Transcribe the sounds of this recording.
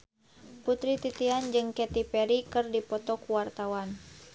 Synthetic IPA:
put̪ɾit̪it̪iand͡ʒɨŋkɛt̪ipɛɾikɨrdipɔt̪ɔkuwart̪awan

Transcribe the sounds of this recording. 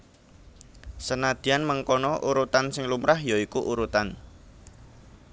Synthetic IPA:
sənad̪̥i̤anməŋkɔnɔʔuɾut̪ansɪŋlumɾahjoikuʔuɾut̪an

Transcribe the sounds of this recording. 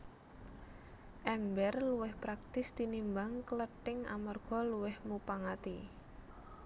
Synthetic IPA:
ʔɛmbɛrluwɪhpɾak̚t̪ɪsd̪̥inimbaŋkələʈɪŋa̰marɡ̥ɔ̤luwɪhmupaŋat̪i

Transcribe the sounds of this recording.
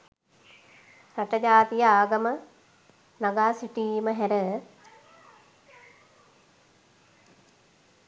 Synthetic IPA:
ɾaʈɐd͡ʑaːt̪ijəaːɡɐmə | naɡaːsiʈiːməɦæɾə

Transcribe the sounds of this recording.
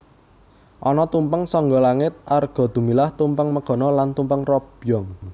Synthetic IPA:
ʔɔnɔt̪umpəŋsɔŋɡɔlaŋɪt̪̚arɡ̥ɔ̤d̪̥ṳmilaht̪umpəŋməɡ̥ɔ̤nɔlant̪umpəŋrɔb̥jɔŋ

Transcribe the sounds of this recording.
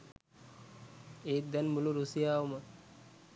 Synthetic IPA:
eːt̪̚d̪ɛnmuluɾusijaːomə

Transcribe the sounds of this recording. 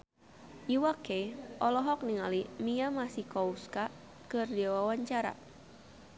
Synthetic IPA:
jiwakeʔɔlɔɦɔk̚niŋalimijamasihkɔuska | kɨrdiawawaɲt͡ʃaɾa̰

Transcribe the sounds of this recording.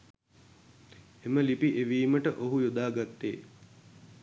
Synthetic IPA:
eməlipiʔeʋiːməʈəʔoɦujod̪aːɡat̪ːḛː

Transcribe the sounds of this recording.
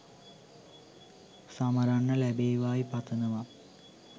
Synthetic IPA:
sɐmɐɾaɳːɐlebeːʋaːjipɐt̪ʰːɐnɐʋa

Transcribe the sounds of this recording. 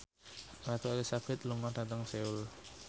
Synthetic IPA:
rat̪ualisabɪt̪lumadat̪aŋseul

